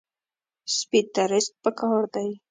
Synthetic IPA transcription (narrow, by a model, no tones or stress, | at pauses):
spit̪aɾɪst̪̚pəkɑɾd̪aj